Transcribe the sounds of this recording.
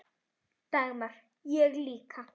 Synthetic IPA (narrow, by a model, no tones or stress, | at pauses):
t̪amaɾ | jeɾlikʰa